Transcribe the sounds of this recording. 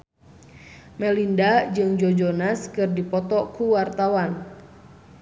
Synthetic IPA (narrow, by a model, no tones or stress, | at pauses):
mɛlindad͡ʒɨŋd͡ʒod͡ʒonaskɨrdipɔt̪ɔkuwart̪awan